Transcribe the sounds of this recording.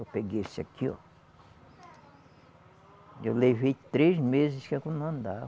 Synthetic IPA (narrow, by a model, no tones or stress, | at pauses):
opeɡesa̰kio̰ | joleβit̪ɾesmes̬eskãkunãnd̪a